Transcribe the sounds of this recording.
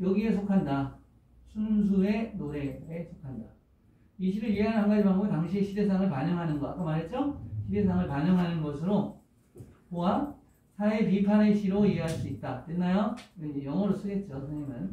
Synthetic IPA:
jʌɡie̞sʰokʰanda | sʰunsʰuɾe̞noɾe̞esʰokʰanda | iɕʰiɾɯɾieɦaɭhanɡad͡ʑipaŋɡomitaŋɕʰieɕʰide̞s̬ʰaŋɯɭpaɲʌŋɦanɯnɡʌa̰k͈amaɾɦe̞t̚t͡ɕ͈oɕʰide̞sʰaŋɯɭpaɲʌŋɦanɯnɡʌsʰɯɾo | koa | sʰaepipʰaneɕʰiɾoieɦaɭs͈uit̚t͈atenːajoejʌŋʌɾos͈ɯɡe̞t̚t͡ɕ͈osʰɯŋɲamɯn

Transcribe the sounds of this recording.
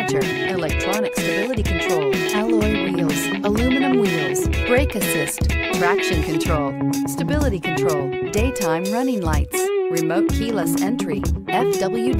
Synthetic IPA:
t͡ʃə˞ | ʔɨlɛk̚tʰɹ̥ɑnɨkstɨbɪlˠəɾikʰn̩tʰɹ̥oʊlˠkʰəlˠɔɪwilˠz̥ | əlʉmɨnɨ̃mwilˠz̥b̥ɹeɪkɨsɪstfɹækʃɨ̃nkʰɨ̃ntʰɹ̥oʊlˠstɨbɪlˠəɾikʰɨ̃n̩tʰɹ̥oʊlˠdeɪtʰãɪ̃mɹʌnɪ̃ŋlaɪtsɹɨmoʊt̚kʰilˠəsɛ̃nt͡ʃɹ̥iɛfd̥ʌbl̩ˠjʉ

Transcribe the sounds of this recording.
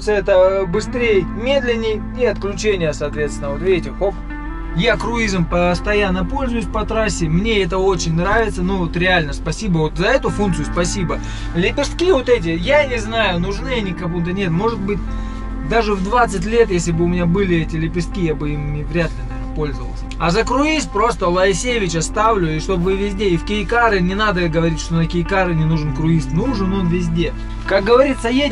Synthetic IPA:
t̪sɨɛt̪əbɨst̪ɾʲejmʲe̞d̪lʲɪnʲːɪj | iɐt̪klʲʉt͡ɕenʲɪjəsɐːt̪vʲet̪st̪ʲɪnəvot̪vʲeetʲɪxok | jakɾʊizmpəst̪ɐjanːəpo̞lʲzʊjʊsʲpɐt̪ɾasʲːɪmnʲe̞ɛt̪̬əo̞t͡ɕɪnʲnɾavʲɪt̪sənovot̪ɾʲɪalʲnəspɐsʲibəvo̞t̪zɐɛt̪ʊfunk̪sɨjʊspɐsʲibə | lʲɪpʲɪʂskʲivo̞t̪ɛt̬ʲɪjanʲɪznajʊnʊʐnɨjɐnʲɪkɐvumt̪ənʲe̞t̪mo̞ʐɨd̪̚bɨt̚ʲ | d̪aʐɨvd̪vat̪sɨt̬ʲlʲe̞t̪jesʲlʲɪbɨʊmʲɪnʲabɨlʲɪɛtʲɪlʲɪpʲɪʂst̪̚kʲijabɨimnʲɪvɾʲat̪lʲɪ | ɪspo̞lʲzəvəlˠsʲəɐzəkɾʊist̪̚pɾo̞st̪əlˠɐɪsʲejɪvʲɪt͡ɕɐst̪avlʲʊiʂt̪o̞bvɨvʲɪzʲdʲeɪfkʲɪɪkaɾɨnʲɪnad̪əɡəvɐɾʲitʲʂt̪onɐkʲɪjkaɾɨnʲɪnuʐɨnkɾʊist̪nuʐɨnonvʲɪzʲdʲe | kak̚ɡəvɐɾʲit̪səje

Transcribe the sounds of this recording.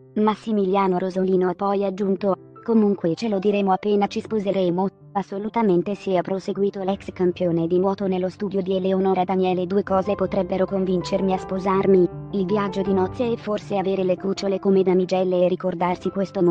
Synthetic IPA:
masːimiljaːnoɾozoliːnoapːɔjad͡ʒːunt̪o | komuŋkwet͡ʃelod̪iɾeːmoapːeːnat͡ʃispozeɾeːmo | asːolut̪ament̪esɛapːɾoseɡwiːt̪olɛkskampjoːned̪imwɔːt̪onelːost̪uːd̪jod̪ieleonoːɾad̪anjɛːled̪uːekɔːzepot̪ɾɛbːeɾokoɱvint͡ʃermiaspozarmiilvjad͡ʒːod̪inɔt̪sːjaɛfːorseaveːɾelekut͡ʃolekomed̪amid͡ʒɛlːeːrikord̪arsikwest̪om

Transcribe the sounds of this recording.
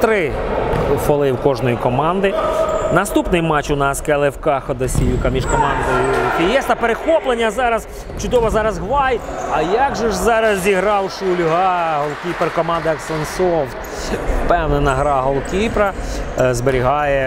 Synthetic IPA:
t̪ɾɪ | fɔlˠɪwkɔʒnɔjikɔmɑnd̪ɪnɐst̪upnɪjmɑt͡ʃʊnɑskɛlˠɪwkɑxɔd̪ɐsʲijukɐmʲiʃkɔmɑnd̪ɔjʊpʲijɛst̪ɐpeɾexɔplˠenʲːɐzɑɾɐz | t͡ʃʊd̪ɔʋɔzɑɾɐzɦʋɑj | ɐjɑɡʒɔʒzɑɾɐzzʲiɦɾɑwʃʊlʲʊɦɑɦɔlˠkʲiperkɔmɑnd̪ɐɐksɛnsɔwt̪ | pɛwnɛnɐɦɾɑɦɔlˠkʲipɾɐzbeɾʲiɦɑjɛ

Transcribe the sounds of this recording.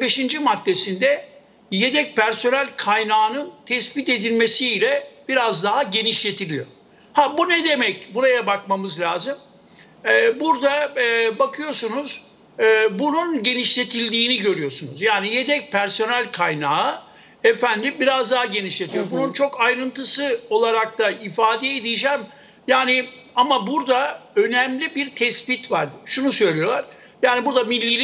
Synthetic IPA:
be̞ʃind͡ʒimat̪ːe̞sind̪ɛ | je̞t̪ɛc̚pʰæɾso̞nælʲkʰajnaːnɯnt̪ʰɛspit̪e̞d̪ilʲme̞siːlʲɛb̥iɾazd̪aɦaɟe̞niʃlʲe̞t̪ʰilʲijo̞̰ɾ | habunɛd̪e̞mɛcbuɾajabakmamɯzlʲaːzɯm | ɛːbuɾd̪abakʰɯjo̞ɾsunuz̥ː | bununɟe̞niʃlʲe̞t̪ʰilʲd̪iːniɟø̞ɾyjo̞sunuzjaːnijet̪ʰɛc̚pʰæɾso̞nælʲkʰajnaːɯ | efænd̪ibiɾazd̪aɦɟe̞niʃlʲe̞t̪ʰijo̞ɾbununt͡ʃʰo̞kajɾɯnt̪ɯsɯo̞lˠaɾak̚t̪ʰaifaːd̪ɛed̪ijid͡ʒæm | jaːnɪ | amabuɾd̪aø̞nɛmlʲibiɾt̪ʰɛspit̪vaɾʃunusø̞jlʲejo̞lˠaɾ̥ | jaːnibuɾd̪amilʲːilʲ

